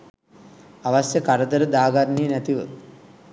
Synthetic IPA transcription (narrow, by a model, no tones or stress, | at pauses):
aʋasjəkaɾəd̪əɾəd̪aːɡarniənæt̪iʋə